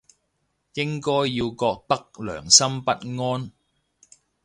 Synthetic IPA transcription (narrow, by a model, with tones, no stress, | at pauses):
jɪ˥ŋkɔː˥jːiː˧wkɔː˧k̚t̪ɐ˥k̚lœ̰ː˨˩ŋsɐ˥mpɐ˥t̚ŋɔː˥n